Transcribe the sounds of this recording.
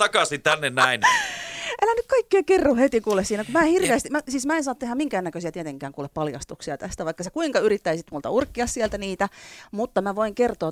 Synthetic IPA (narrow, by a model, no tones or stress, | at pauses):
t̪ɑkɑsint̪ænːennæin | elænykkɑikːeːkerːohet̪ikuːlessiːnækumæehirʋeːst̪imæsiːsmæensɑːt̪ehæmmiŋkæːnːækøsiæt̪iet̪eŋkæːŋkuːleppɑljɑ̰st̪uksiɑt̪æst̪æʋɑikːɑsekuiŋkɑyrit̪ːæisit̪mult̪ɑ̰urkːiɑssielt̪æniːt̪æmut̪ːɑmæʋoiŋkert̪oː